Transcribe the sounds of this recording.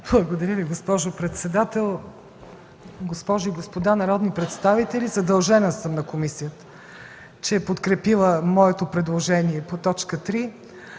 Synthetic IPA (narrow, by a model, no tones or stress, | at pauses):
blˠɐɡod̪ɐɾʲəviɡospɔʒopɾɛt̪sɛd̪at̪ɛlˠ | ɡospɔʒoiɡospod̪anɐɾɔd̪nipɾɛt̪st̪avit̪ɛlʲizɐd̪ɐlˠʒɛnəsəmnɐkomisijət̪ə̥ | t͡ʃɛːpot̪kɾɛpilˠəmɔɛt̪opɾɛd̪lˠoʒɛniɛpot̪ɔt͡ʃkət̪ɾi